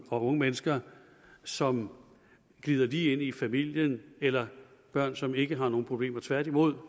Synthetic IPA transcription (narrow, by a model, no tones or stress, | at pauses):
ɒɔ̽ŋəmenəsɡ̥ɐ | sɒ̽m | ɡ̥liːð̞ˠɐd̥ie̝n̰ifæmil̰jənelɐb̥ɶɐ̰nsɒ̽me̝ɡ̥əɦɑ̈no̝ːn̩pʰʁob̥le̝̰ːmɐt͡sʰʋæɐd̥imo̝ð̞̰ˠ